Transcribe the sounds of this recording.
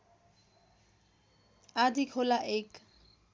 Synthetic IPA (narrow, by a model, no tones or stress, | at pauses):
ad̪ʱikholaʔek